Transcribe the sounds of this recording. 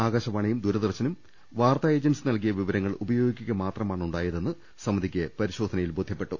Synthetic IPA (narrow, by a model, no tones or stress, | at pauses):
aːɡaːɕɐmaːɳejumd̪uɾɐðirt͡ɕɐnum | ʋaːrt̪aːje̞ːd͡ʑɐnsɨnɐlkijɐʋiʋɐɾɐŋːɐɭubɐjo̞ːɡikʲːuɣɐmaːt̪rɐmaːɳuɳɖaːjɐðe̞nːɨ | sɐmːɐd̪ʱikʲːepɐɾiɕo̞ːd̪ʱɐnɐjilbod̪ʱjɐpːe̞ʈːu